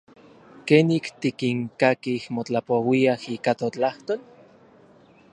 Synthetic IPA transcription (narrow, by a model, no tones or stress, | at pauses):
keːnikt̪ikiŋkakihmot͡ɬapowiahiːkat̪ot͡ɬaht̪oːl